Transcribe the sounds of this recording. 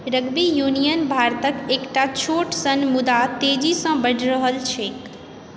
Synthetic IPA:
ɾɐɡbijuːnijənbʱaːɾt̪əkeːkʈat͡ɕʰoːʈsɐnmʊd̪at̪eːd͡ʑisãbɐɖʱɾəɦəlt͡ɕʰeːk

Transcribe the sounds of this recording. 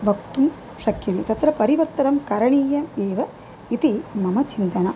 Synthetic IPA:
bʱɐk̚t̪um | ʃɐkʰjit̪it̪ɐt̪ɾɐpɐɾiʋɐɾt̪ɐnɐmkɐɾɐɳiːjɐd̪eːʋɐ | it̪imɐmɐt͡ʃint̪ɐnɐ

